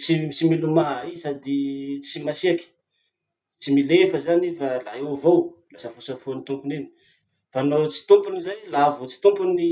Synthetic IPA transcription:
t͡sit͡similumaisad̪it͡simasiaki̥ | t͡similefəzanefalaevowlasəfosəfonit̪umpuneni̥ | fanot͡si̥t̪umpunizajlavot͡si̥t̪umpuni

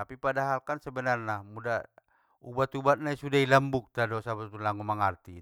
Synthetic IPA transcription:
apipadaɦalkansɛbɛnarnamuda | ṵbat̪ubat̪̚naisudailəmbuk̚t̪adɔsabat̪ulaŋumaŋart̪i

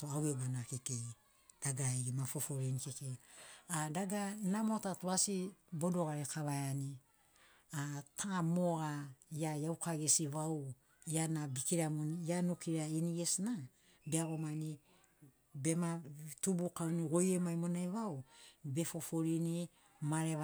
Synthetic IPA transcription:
toawebanakekej | d̥aɡaeɡimafo̞fo̞ɾinikekejadaɡanamotatuasibo̞do̞ɡaɾekaβajani | atʰamoɡajajawkaɡesiβaw | janabikiɾamonjanukiɾainiɡesna | beaɡo̞mani | be̞matubukaniɡojemajmonajβawbe̞fo̞fo̞ɾini | maɾe

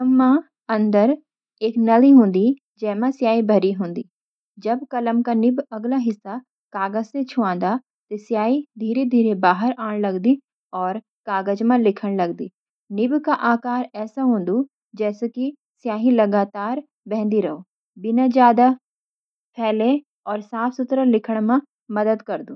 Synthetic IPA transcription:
mːã | ɐ̃nd̪əɾ | eːknɐliɦõːnd̪i | d͡ʒɛːmãsjaːibʱɐɾiɦõːnd̪iː | d͡ʒɐbkɐləmkanɪbɐɡlaɦɪsːa | kaːɡəd͡ʒset͡ʃʰʊãːnd̪a | t̪osjaːid̪ʱiːɾed̪ʱiːɾebaːɦəɾaːɽ̃lɐɡd̪i | ɔːɾ | kaːɡəd͡ʒmãlɪkʰəɽ̃lɐɡd̪iː | nɪbkaʔaːkaːɾɛːsaɦõːnd̪u | d͡ʒɛːseki | sjaːɦilɐɡaːt̪aːɾ | bɛ̃ɦnd̪iɾɐɦoː | bɪnad͡ʒjaːd̪a | pʰɛːlẽ | ɔːɾsaːpʰsʊt̪ɾəlɪkʰəɽ̃mã | mɐd̪əd̪kɐɾd̪ũː

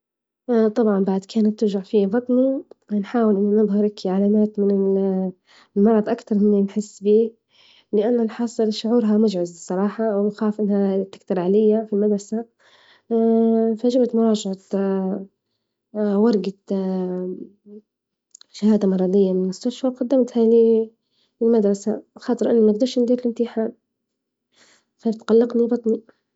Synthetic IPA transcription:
t̪ˤɑbʕɑmbaʕd̪kʰaːnat̪ːʊɾʒaʕfibɑt̪ˤninħaːwɪlʔɪnːʊnɨðˤhɑɾˤʔɪkʰiʕalaːmaːt̪mɪnɪ | lmɑɾˤɑd̪ˤʔakt̪ɑɾˤhɪnːinħɪsːbiː | lɪʔanːalħɑːsˤɨlʃʊʕuːɾɦamʊd͡ʒʕʊzsˤːɑɾˤɑːħɑwɪmʊxaːfʔɪnhat̪ɪ̥kt̪ɑɾˤʕalɪjːafilmad̪ɾasa | faʒɪbt̪mʊɾˤɑːʒɪʕat̪ | wɑɾˤɡa | ʃahaːd̪amɑɾˤɑd̪ɪjːalɪlmʊst̪aʃfawqad̪ːamt̪hali | ɪlmad̪ɾˤɑsaxɑːt̪ˤɨɾʔɪnːimaɡd̪ɑɾˤʃɪnd̪iːɾlɪmt̪iħaːn | faft̪qalːɪqnibɑt̪ˤni

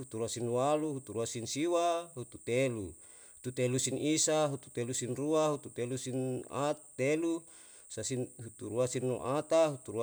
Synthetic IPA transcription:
ut̪uɾuasinwaluɦut̪uɾuasinsiwaɦut̪ut̪elu | ut̪ut̪elusinisaɦut̪u̥t̪elusinruaɦut̪ut̪elusina̰t̪elu | sasinɦut̪uɾuasinːṵʔat̪aɦut̪uɾu

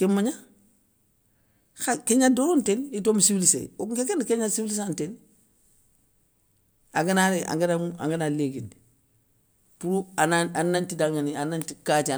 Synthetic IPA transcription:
kemaɲa | xakeɲadoɾontenitomisiwlisḛwokekenkeɲasiwlis̬anten | aŋɡanaɾeʔa̰ŋɡanaŋa̰ŋɡanaleːɡindi | puɾuanaanːantidaŋanianantikatia

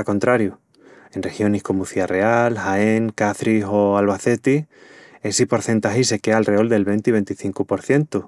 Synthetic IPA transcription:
ako̞nt̪ɾaɾju | e̞nre̞xjo̞nihko̞muθiare̞alhaeŋkaθɾiɦo̞alβaθe̞t̪ie̞sipo̞ɾθe̞nt̪axise̞ke̞alre̞o̞ld̪e̞lβe̞nt̪iβe̞nt̪iθiŋkupo̞ɾθje̞nt̪u

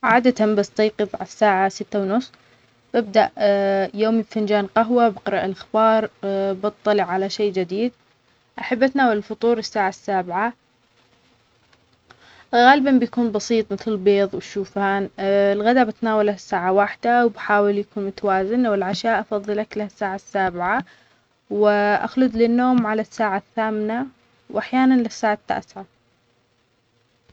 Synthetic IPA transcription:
ʕaːd̪at̪ambast̪ɑjqɨbˤʕasːaːʕasɪt̪ːawnʊsˤː | b̥ɪb̚d̪aʔjoːmibfand͡ʒaːnqaɦwabɪqɾˤɑʔɪlʔaxbɑːɾˤbɨt̪ˤːɑlɪʕːalaʃeːd͡ʒɪd̪iːd̪̚ | ʔaħabːʔat̪naːwalɪlfʊt̪ˤuːɾɪsːaːʕasːaːbʕa | ɣaːlɪbanbɪjakuːnbɑsiːt̪ˤmɪθlɪlbeːðˤwʃuːfaːnɪlɣad̪abat̪naːwalhasːaːʕawaħd̪awbħaːwɪljakuːnmʊt̪awaːzɪnwɪlʕaʃaːʔɑfɑðˤːɨlaklahasːaːʕasːaːbɪʕa | wɪʔa̰xlʊd̪lɪnːoːmʕalasːaːʕaθːaːmna | wʔaħjaːnanlɪsːaːʕat̪ːa̰ːsʕa

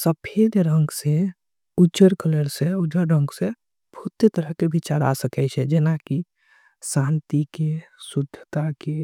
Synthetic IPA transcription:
səpʰed̪ɾə̃ŋɡsẽ | ud͡ʒt͡ʃəɾkələɾseud͡ʒəɾɾə̃ŋɡse | bʱut̪ːet̪əɾəɦkebʱit͡ʃaɾa̰səkɛɪt͡ʃʰɛd͡ʒenaki | sãnt̪ikesud̪ʱːət̪ake

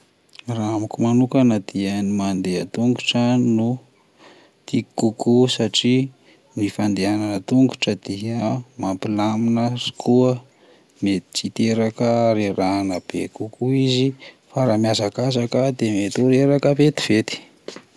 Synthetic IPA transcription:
raamikumanukanad̪̥iənimand̪eət̪uŋɡuʈ͡ʂənu | t̪ikukusaʈ͡ʂi | nifand̪eananət̪uŋɡuʈ͡ʂəd̪̥iəmampilaminərikʰuə | met̪i̥t͡sit̪eɾakəaɾiranəb̥ḛkukuizi | faɾamjazakazakəd̪emet̪uɾeɾakəvet̪i̥v̥et̪i̥

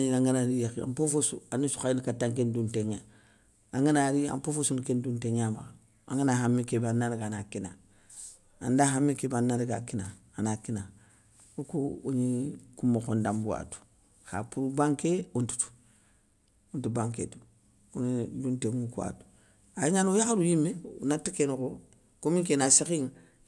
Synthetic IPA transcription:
ɲiaŋɡanaɾijakia̰mpofosuanusu̥kainikatːaŋkendunteŋa | aŋɡinaɾia̰mpofosunikendunteŋama | a̰ŋɡinahamːikebanːaɾɡanakina | andaɦamːikebanːaɾiɡakina | anakina | okouɲikumːokondambuwa̰tu̥ | xa̰puɾubaŋkeuntu̥tu̥ | untubaŋkḛtu̥ | ɲidunteŋukua̰tu̥ | ajeɲanojaxalujimːeṵnatikenoko | komiŋkenasikiŋ

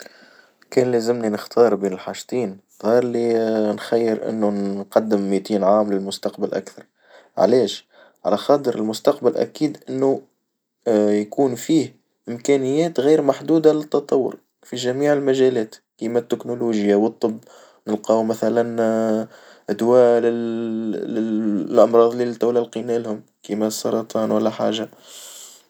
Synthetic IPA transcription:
kɛːnlæzɪmninəxt̪ʰɑːɾˤbiːnɪlħaːʃt̪ˤiːn | ðˤɑːɾˤlinxæjːɪɾʔɪ̰nːunqɑd̪ːɪmːit̪iːnʕaːmlɪlmʊst̪ɑqbalʔa̰kθɑɾˤ | ʕ̰lɛːʃ | ʕa̰læxɑːt̪ˤəɾɪlmʊst̪ɑqbalʔæ̰kiːd̪ʔɪnːu | jakuːnfiːh | ʔɪmkæːnɪjːɛːt̪ɣiːɾmaħd̪uːd̪alɪt̪ːɑt̪ˤɑwːʊ̰ɾ | fiʒæmiːʕɪlmæʒælɛːt̪kimæt̪ːɪknuluːʒjawət̪ˤːɨbː | nəlqɑːwmæθælæn | d̪wæːlɪ | lʔɑmɾˤɑːðˤlilt̪awlælqinæːlhʊm | kimæsˤːɑɾˤɑt̪ˤɑːnwalːæħa̰ːʒa

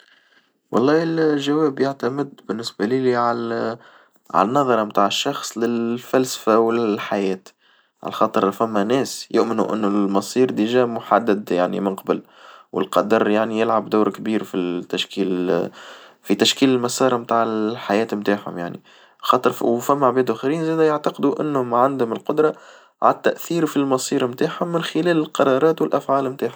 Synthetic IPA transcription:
wʔɑ̰lˤːɑːhɪlʒawɛːbjaʕt̪amɪd̪bɪnːɪsbæliːliʕal | ʕa̰lænːɑðˤɑɾˤɑmt̪aːʕəʃːɑxsˤlɪlfælsfæwlɪħajɛːt̪ | ʕa̰lxɑːt̪ˤɨɾfæmːænɛːsjʊʔmɪnṵʔɪ̰nːʊlmɑsˤiːɾd̪iʒæːmʊħad̪ːad̪jaʕnḭmɪnqɑbəl | wʔɪ̰lqɑd̪ɑɾˤjaʕnijɪlʕabd̪aːɾkbiːɾfit̪ːaʃkiːl | fit̪aʃkiːlɪlmæsɑːɾˤɑmt̪aːʕɪħajɛːt̪mt̪aːʕhʊ̰mjaʕnḭ | xɑːt̪ˤɨɾfwfæmːaʕbɛːd̪ʊxiɾiːnzæːd̪æjaʕt̪ɑqd̪uʔɪnːhʊmʕand̪hʊmɪlqʊd̪ɾˤɑ | ʕa̰t̪ːæʔθiːɾfilmɑsˤiːɾmt̪aːħhʊmːɪnxɪlæːlɪlqɑɾˤɑːɾˤɑːt̪wɪlʔæfʕaːlmt̪aːħhʊm

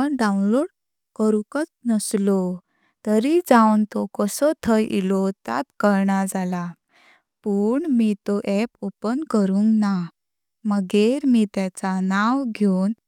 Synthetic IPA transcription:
əɳɖãw̃nloɽ | kəɾukət͡snəslɔ | t̪əɾid͡zawnt̪ɔkəsət̪ʰəjḭlɔt̪a̰t̪kəɾɳad͡zala | puɳmit̪ɔʔɛpopənkəɾũŋɡna | məɡeɾmit̪jat͡sanawɡʱown

